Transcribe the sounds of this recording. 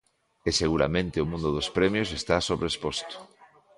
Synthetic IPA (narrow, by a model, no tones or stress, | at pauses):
eseɣuɾa̰mẽnt̪eomũnd̪oð̞ospɾemjos̬est̪asoβɾespost̪o̥